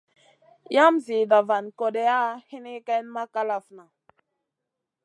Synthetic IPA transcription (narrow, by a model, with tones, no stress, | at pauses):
ja˦mzi˨da˨va˨nko˨de˦a˦hi˦ni˦kɛ˦nma˦ka˦la˨fna˨